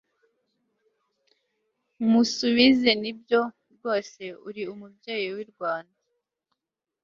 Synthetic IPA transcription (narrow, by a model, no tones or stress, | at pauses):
musuβizenibjo̞ | ɾɡo̞ːse̞uɾiumubɟe̞ːjiwiɾɡwaːnda